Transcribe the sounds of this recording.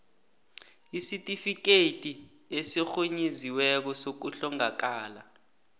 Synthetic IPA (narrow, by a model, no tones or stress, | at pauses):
isitʼifik̬etʼi | esixoɲiziwɛk̬ɔsok̬uɬɔŋak̬aːla